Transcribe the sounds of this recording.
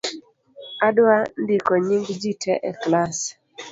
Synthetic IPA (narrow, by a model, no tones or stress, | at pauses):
adwandɪkɔɲiŋɡd͡ʒitʰɛʔɛklas